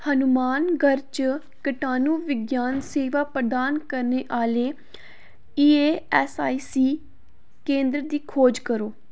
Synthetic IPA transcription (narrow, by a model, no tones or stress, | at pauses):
hənʊmaːnɡəɾt͡ʃ | kəʈaːnũːʋɪɡjaːnseːʋaːpɾəd̪aːnkəɾneːʔaːleː | iːeːɛːsaːiːsiː | kẽːnd̪ɾd̪iːkʰoːd͡ʒkəɾoː